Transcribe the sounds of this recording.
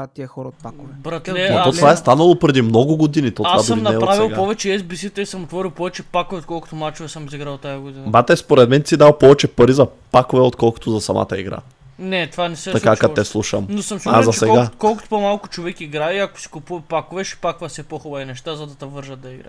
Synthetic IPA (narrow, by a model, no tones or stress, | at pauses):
t̪iɛxɔɾot̪̚pakovɛbɾat̪ɛɐt̪ɔt̪vaɛst̪anɐlˠopɾɛd̪imnɔɡʊɡod̪init̪ɔt̪asvab̪iəmnɐɛpɾavilˠpɔvɛt͡ʃɛɛzbisit̪ɛisɐmot̪vɔɾilˠpɔvɛt͡ʃɛpakovɛot̪̚kɔlˠkʊ̥t̪omat͡ʃovɛsəmiziɡɾalˠt̪ːajɐɡod̪inɐbat̪ɛspoɾɛd̪mɛnt̪sid̪alˠpɔvɛt͡ʃɛpɐɾizɐpakovɛot̪kɔlˠko̥t̪ozɐsɐma̰t̪ɐḭɡɾa̰ | nɛt̪vanɛsɛt̪ɐkakat̪ɛslˠuʃɐmnosəmsazɐsɛɡɡakɔlˠkʊt̪o̥pomalˠkʊt͡ʃovɛkiɡɾaiɐko̥si̥kʊpuɐpakʊvɛʃɛ̥pakovɐsɛpoxɔbɐinɛʃt̪azɐd̪ɐt̪ɐvəɾʒɐd̪̚d̪ɐiɡɾa̰